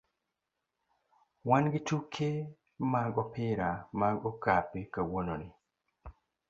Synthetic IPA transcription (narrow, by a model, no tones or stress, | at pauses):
wanɡɪtukʰe | maɡɔpɪɾamaɡɔkapekawononɪ